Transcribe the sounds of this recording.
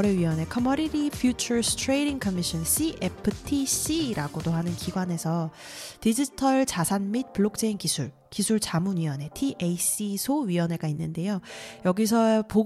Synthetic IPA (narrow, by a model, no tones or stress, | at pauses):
ɾeɥiʌne̞kʰʌmʌɾiɾipʰjut͡ɕʰʌɾstʰɾe̞ɾiŋkʰʌmiɕʰʌns͈iʔepʰɯtʰis͈iɾaɡodoɦanɯnkiɡwane̞sʰʌtid͡ʑitʰʌɭt͡ɕasʰanmit̚puɭːok̚t͡ɕ͈einkisʰuɭ | kisʰuɭt͡ɕamunɥiʌne̞tʰiʔeis͈isʰoɥiʌne̞ɡainːɯnde̞jojʌɡis̬ʰʌpo